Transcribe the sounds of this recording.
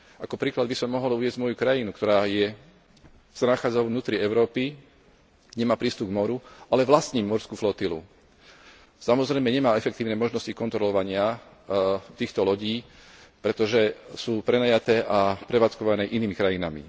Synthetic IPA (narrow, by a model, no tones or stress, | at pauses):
ʔakɔpɾiːklad̪bisɔmːɔɦɔluʋɛzɟmɔjukɾajinukt̪ɔɾaːjɛ | z̥anaxaːd͡zaʊvnuːt̪ɾiɛʊɾɔːpi | ɲɛmaːpɾiːst̪ub̚ɡmɔɾuʔalɛʋlast̪ɲiːmɔɾskuflɔt̪ilṵ | samɔzɾɛjmɛɲɛmaːɛfɛk̚t̪iːʊnɛːmɔʒnɔscikɔnt̪ɾɔlɔʋaɲɪa | t̪iːxt̪ɔlɔɟiːpɾɛt̪ɔʒɛsuːpɾɛnajat̪ɛːʔapɾɛʋaːt͡skɔʋanɛːʔiniːmikɾajina̰mḭ